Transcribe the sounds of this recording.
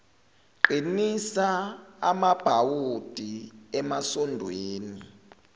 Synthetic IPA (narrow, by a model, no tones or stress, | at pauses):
ǃinisaa̰mab̥ʱawud̥ʱiɛmasɔndʱweːni